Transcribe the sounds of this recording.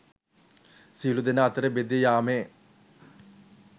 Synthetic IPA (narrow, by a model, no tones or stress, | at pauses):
siːlud̪ɐnaːt̪ɾebed̪jɐjaːme